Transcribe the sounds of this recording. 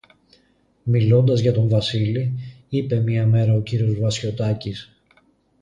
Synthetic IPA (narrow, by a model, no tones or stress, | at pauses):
milo̞nd̪ɐzʝɐt̪o̞ɱvɐsili | ipe̞mɐme̞ɾɐo̞ciɾio̞zvɐsço̞t̪ɐcis